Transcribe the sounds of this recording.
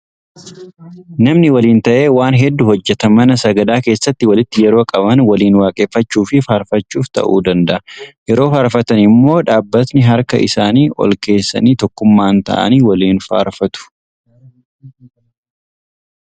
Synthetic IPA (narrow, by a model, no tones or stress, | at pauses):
nɐmnɪwɐliːnt̪ɐʔe̞ːwaːnɦɛd̪ːʊɦɔd͡ʒːɛt̪ɐmɐnɐsɐɡɐd̪aːke̞ːsːɐt̪ːɪwɐlɪt̪ːɪjɛɾoːkʼɐbɐnwɐliːnwaːkʼeːfːɐt͡ʃːuːfɪfaːɾfɐt͡ʃːuːft̪ɐ̰ʔuːd̪ɐnd̪ɐʔɐjɛɾoːfaːɾfɐt̪ɐnɪmːo̞ːᶑaːbːɐt̪nɪɦɐɾkɐ̰ʔɪ̰saːniːʔɔ̰lke̞ːsːɐ̰niːt̪ɔkːʊmːaːnt̪ɐ̰ʔɐ̰niːwɐliːnfa̰ːɾfɐt̪ʊ̥